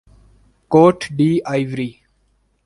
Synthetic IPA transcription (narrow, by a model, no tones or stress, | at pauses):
koːʈʰɖiːaːɪʋɾiː